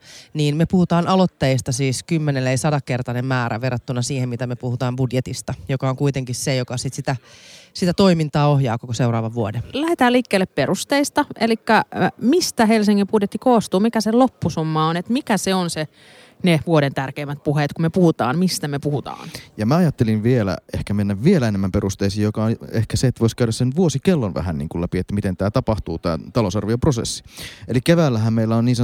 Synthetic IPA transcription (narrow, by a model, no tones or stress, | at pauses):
niːnmepuhut̪ɑːnʔɑlot̪ːɑjist̪ɑsiːskymːeneleisɑdɑkkert̪ɑnemmæːɾʔæ̰ʋerɑt̪ːunɑsiːhemmit̪æmepuhut̪ɑːmbudjet̪ist̪ɑjokɑoŋkuit̪eŋkissejokɑsit̪sit̪æsit̪æt̪o̞imint̪ɑːohjɑːkokoseuɾɑ̰ːʋɑʋʋuodelæhet̪æːliːkːeːlːepperust̪eist̪ɑelikːæmist̪æɦelsiŋːimpudjet̪ːikoːst̪uːmikæselopːusumːɑonet̪mikæseonse | neʋuoɾent̪ærkeimːæt̪̚puhet̪kumepuhut̪ɑ̰ːnmist̪æmepuhut̪ɑ̰ːnjɑmæɑjɑt̪ːelinʋielæ̰ehkæmenːæʋʋielæenemːæmpeɾust̪eisiːjjokɑehkæseet̪ːʋoˑiskæyɾæssenʋuosikelːonʋæ̰ɦæ̰nnḭŋkulæpiet̪ːæmit̪ent̪æːt̪ɑpɑht̪uːt̪æ̰ːt̪ɑloˑsɑrʋioprosḛsːi̥elikeʋæːlːæɦæmmeilːæonniːnsɑ